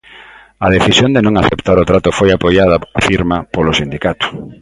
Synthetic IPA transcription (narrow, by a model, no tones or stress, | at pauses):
ɐðeθisjõnd̪enõŋaθept̪aɾot̪ɾat̪ʊfojapojaðɐafiɾmapolosind̪ikat̪ʊ̥